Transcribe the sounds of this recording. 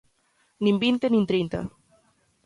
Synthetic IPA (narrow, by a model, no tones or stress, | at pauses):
nĩmbint̪enĩnt̪ɾejnt̪a̰